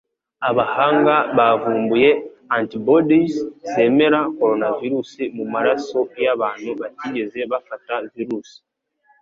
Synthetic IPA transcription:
aβahaːŋɡaβavuːmbuje̞antibodisze̞me̞ɾako̞ɾo̞naviɾusimumaɾaso̞jaβaːn̥huβatiːɟe̞ze̞βafataviɾuːsi̥

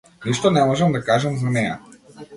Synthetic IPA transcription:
niʃt̪onɛmɔʒɛmd̪akaʒɛmzanɛja̰

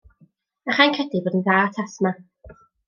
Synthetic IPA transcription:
aχajnkʰədibɔːdənðaːtʰasma

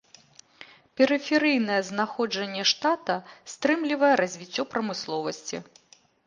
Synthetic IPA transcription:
pʲɛɾɨfʲɛɾɨjn̪ɐjɛznaxɔd͡ʐɐnʲːɛʂt̪at̪ɐst̪ɾɨmlʲivɐjɛɾɐzʲvʲit͡sʲːɔpɾɐmɨslˠɔvɐsʲt͡sʲḭ

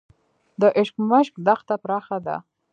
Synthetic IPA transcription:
d̪əʔɪʃkmaʃk̚d̪axt̪apɾɑxad̪a̰

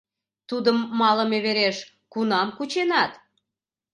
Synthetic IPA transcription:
t̪ud̪əmːɑləmeβeɾeʃ | kunɑmkut͡ɕenɑt̪

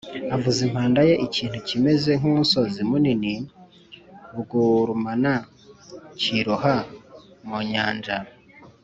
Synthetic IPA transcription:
avuzimhaːndaje̞ʔiciːn̥hucime̞ze̞ŋ̥unso̞zimunini | βuɡuɾumana | ciɾohamuɲaːnd͡ʒa

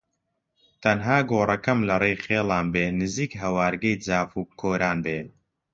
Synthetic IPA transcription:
t̪ʰɐnɦaːɡoːrɐkɐmlɐrejχeːlˠaːnbeːnɨziːkɦɐwaːɾɡɐjd͡zaːfuːkʰoːɾaːnbeː

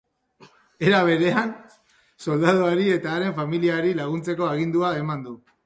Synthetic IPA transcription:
e̞ɾaβ̞e̞ɾe̞an | so̞ld̪aðoaɾie̞t̪aːɾe̞ɱfamiliaɾilaɣ̞unt͡se̞ko̞aɣind̪uae̞mand̪u

